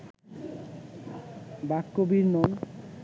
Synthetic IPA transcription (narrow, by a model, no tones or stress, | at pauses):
bakːobiɾnon